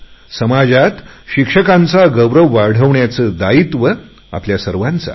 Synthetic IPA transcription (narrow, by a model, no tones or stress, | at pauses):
səmad͡zat̪ɕikʂəkant͡saɡəʋɾəʋːaɾɽ̤əʋɳjat͡səːd̪ait̪ʋə | a̰pljasəɾʋant͡sa̰